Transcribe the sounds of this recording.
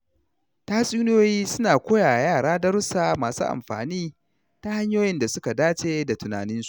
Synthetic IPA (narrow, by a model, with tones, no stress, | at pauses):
taː˦sʼiː˦n˦joː˦jiː˦sʊ˦naː˨kʷoː˦jaː˨jaː˦˨ɽaː˦dɐ˦ɾsaː˨maː˨sṵː˦ʔa̰˨mɸa̰ː˨niː˦ | ta˦ha˦ɲjoː˦jɪ˦nda˨sʊ˦ka˨daː˦t͡ʃeː˦da˨tʊ˨na̰ː˨nɪ˦nsu̥˨ʔ